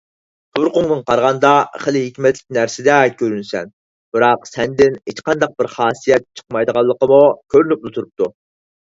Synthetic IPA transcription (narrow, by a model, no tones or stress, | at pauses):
t̪ʰʊɾqʊŋnɨnqɑɾʁɑnd̪ɑχəlɪɦikʲmɛt̪lɪk̚ʲnæɾsɪd̪ɛkʲʰøɾynsɛ̰n | b̥ɨɾɑqsɛnd̪ɪnet͡ʃqɑnd̪ɑq̚bɪɾχɑːsijɛt̪̚t͡ʃʰə̥qmɑjd̪əʁɑlˠːəqəmukʲʰøɾynyp̚nut̪ʰuɾup̚t̪ʰu